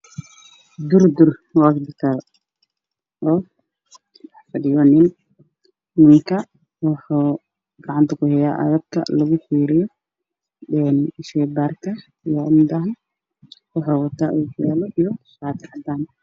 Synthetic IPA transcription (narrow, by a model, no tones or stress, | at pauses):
d̪ʊrd̪ʊrwɑsbɪt̪ʰɐl | ʔɔː | wɑħfɐɖɪjɔːnɪn | mɪŋkʰɐ | wɑħɑː | ɡ̥ɑʕɑnt̪ʰɐkʰʊhɛjaːʔɐ̰ɣɐb̚kʰɐ̰lɐɣʊħiːɾɪjɔ | ɛːnɪʃɛːbaːrkʰɐ | ijɔɪmd̪ɐɦɐ | wɑħaːwɑt̪ʰaːʔuːkʊjaːlɔʔijɔʃaːt̪ʰɪħɑd̪aːn